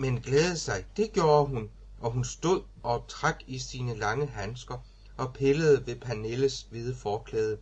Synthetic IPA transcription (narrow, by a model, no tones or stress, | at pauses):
menɡ̥lɛːð̩ˠsɑ̈ɪd̥e̝ɡ̥jo̝ːɐɦun | ʔɒ̽ɦunsd̥o̝ð̰ˠɒ̽t͡sʰʁɑ̈ɡ̥isiːnəlɑ̈ŋəɦænsɡ̥ɐ | ʔɒ̽pʰeləð̞̩ˠəʋe̝pʰæneləsʋið̞ˠəfɒːkʰlɛːð̞ˠə